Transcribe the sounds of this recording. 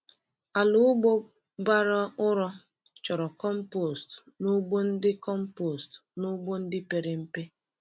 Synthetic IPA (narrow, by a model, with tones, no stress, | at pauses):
a˨lʊ˦ɡ͡bo˦ | ba˦ɾɔ˦ʊ˦ɾɔ˦ | t͡ʃɔ˨ɾɔ˨kɔ˦m̩˦po˨st | nʊ˦ɡ͡bo˦n̩˦dɪ˦kɔ˦m̩˦po˨stnʊ˦ɡ͡bo˦n̩˦dɪ˦pe˨ɾe˨m̩˦pe˦